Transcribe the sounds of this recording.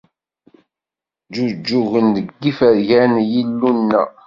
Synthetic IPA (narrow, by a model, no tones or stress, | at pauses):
d͡ʒud͡ʒːʊɣəndəɡːifæɾʝænjilːunːæ̰